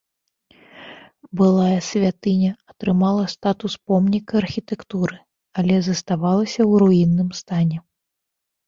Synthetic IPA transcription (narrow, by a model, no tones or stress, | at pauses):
bɨlˠajɐsʲvʲat̪ɨnʲɐɐt̪ɾɨmalˠɐst̪at̪uspɔmnʲikɐɐrxʲit̪ɛkt̪uɾɨ | alʲɛzɐst̪avalˠɐsʲɐwɾuinːɨmst̪anʲɛ